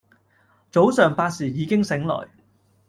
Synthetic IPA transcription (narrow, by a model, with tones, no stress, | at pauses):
t͡so˨˥wsœː˨˩ŋpaː˧t̚siː˨˩jiː˨˧˥kɪ˥ŋsɪ˨˥ŋlɔ̰ː˨˩j